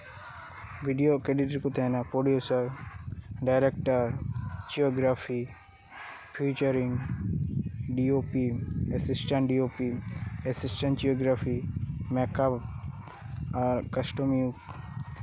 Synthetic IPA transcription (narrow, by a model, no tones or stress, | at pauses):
ʋiɖijokeɖiʈɾkut̪ʰenapoːɖijosɐɾ | ɖaɪɾek̚ʈəɾd͡ʒioːɡɾaːfi | pʰiːt͡ʃəɾĩŋɡ | ɖioːpiesɪsʈɐ̃ɳʈɖioːpiesɪsʈə̃ɳʈd͡ʒioːɡɾafʰimekap | ɐɾkɐsʈomiuk